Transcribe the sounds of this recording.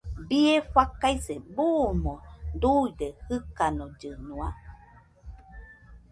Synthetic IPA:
biefakajsebumod̪uidehɨkanod͡ʒɨnua

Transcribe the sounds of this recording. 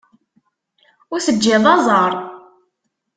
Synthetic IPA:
ʊɾsəd͡ʒːɪðˤɑzˤɑɾˤ

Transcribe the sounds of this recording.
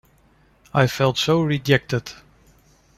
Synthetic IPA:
aɪfɛlˠtsoʊɹid͡ʒɛk̚tɨd̥

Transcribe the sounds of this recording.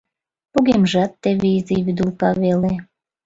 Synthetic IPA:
puɣemʒɑt̪ːeβeizeβyd̪ulkɑβele

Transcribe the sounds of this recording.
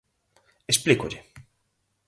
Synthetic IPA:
esplikoʎe

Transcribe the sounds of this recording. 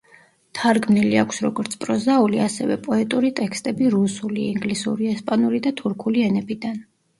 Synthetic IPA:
t̪ʰaɾɡmniliakʰsɾɔɡɔɾt̪sʰpʼɾɔzauliasɛvɛ̰pʼɔɛt̪ʼuɾit̪ʼɛkst̪ʼɛbiɾusuliiŋɡlisṵɾiɛspʼanuɾid̪at̪ʰuɾkʰuliɛnɛbid̪an

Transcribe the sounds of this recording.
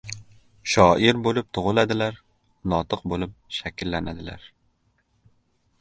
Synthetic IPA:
ʃɒʔɪɾbolɪp̚t̪ʰʊʁɨlˠad̪ɪlaɾ | nɒt̪ʰɨqbolɪp̚ʃakʲlːanad̪ɪla̰ɾ

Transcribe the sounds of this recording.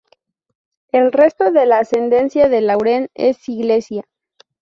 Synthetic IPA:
e̞lre̞st̪o̞ðe̞laːse̞nd̪e̞nsjaðe̞lawɾe̞nḛsiɣle̞sja

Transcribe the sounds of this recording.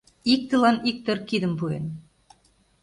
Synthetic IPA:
ik̚t̪ɨlˠɑnik̚t̪ɵ̆rkid̪ɘ̆mpujḛn

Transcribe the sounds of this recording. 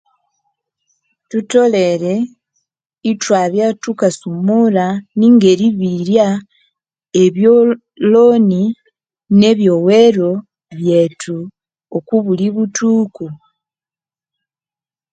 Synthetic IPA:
tuto̞le̞ɾe̞ | itwaβjatukasumuɾaniːŋɡe̞ɾiβiɾja | eβjo | loni | ne̞βjo̞we̞ɾo̞ | βje̞tʰu | okuβuliβutʰuːku

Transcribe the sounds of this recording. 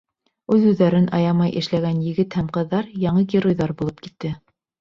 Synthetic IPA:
ʉðʉðːæɾɘnʔɑ̰jɑmɑjʔɘ̰̆ʃlæɡænjɘ̆ɡɘt̪hæmqɤ̆ðːɑɾjɑɴɤɡʲiɾojðɑɾbulˠɤp̚ki̥t̪ːɘ

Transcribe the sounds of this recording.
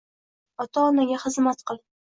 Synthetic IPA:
ɒt̪ʰaːnaɡʲaχɨzmat̪qɨlˠ

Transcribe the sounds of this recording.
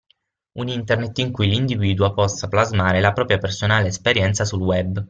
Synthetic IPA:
unint̪ernet̪ːiŋkujlind̪iviːd̪uopɔsːaplazmaːɾelapɾɔːpɾjapersonaːleːspeɾjɛnt̪sasulwɛbː

